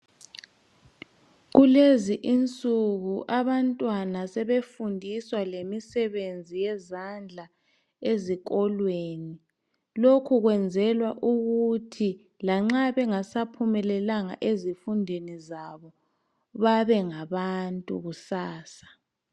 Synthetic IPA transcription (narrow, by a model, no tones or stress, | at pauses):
ɣuleziʔint͡sʼuɣuʔaβantʼwanasɛβefundʱiswalemisɛβend͡zʱijɛzand͡ɮʱa | ezikʼɔlweːni | lokʰuɣwɛnd͡zʱɛlwaʔuɣutʰi | laŋ͡ǁaβɛŋasapʰumɛlɛlaŋa̰ʔezifundʱenizaβɔ | βaβɛŋaβantʼṵɣusaːsḁ